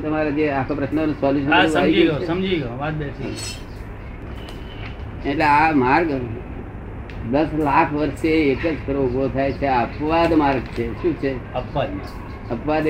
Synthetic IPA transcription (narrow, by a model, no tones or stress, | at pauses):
t̪əmaɾad͡ʒeakʰõpɾəʃnənũsɔljuʃ̬ənasəaid͡ʒiɡoesəmd͡ʒiɡəoʋad̪besiɦ | eʈleamaɾɡ | d̪əslakʰʋəɾʃeːkəd͡ʒkɾoubot̪ʰajt͡ʃʰeaəpʋad̪maɾɡ̚t͡ʃʰeʃũt͡ʃʰeəpʋad̪ma | əpʋad̪